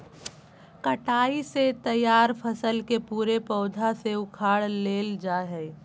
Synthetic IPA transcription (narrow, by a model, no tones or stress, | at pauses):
kəʈaːiset̪ɐjaːɾpʰəsəlkepuːɾepɔːd̪ʱaseʊkʰaːɽleːld͡ʒaːɦɛ